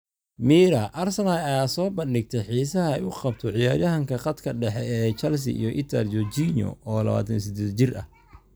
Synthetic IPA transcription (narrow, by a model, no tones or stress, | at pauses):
miːɾɐʔɐrsɐnaaːsɔːbɐnɖɪɡ̚t̪ʰɛħiːsɐɦɐɛjʊqɑbt̪ʰɔʕɪjaːɾjɐɦɐŋkʰɐqɐd̪kʰɐɖɛħɛɛːt͡ʃɐls̬ɪ̰ʔḭjɔʔɪt̪ʰɐ̰rd͡ʒɔt͡ʃinɔ̰ɔːlɐ̰βa̰ːt̪ʰɐns̬ɪd̪ɛːd̪t͡ʃɪrʔɐ̰h